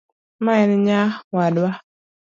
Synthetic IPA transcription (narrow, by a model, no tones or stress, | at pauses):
maɛnɲawadwa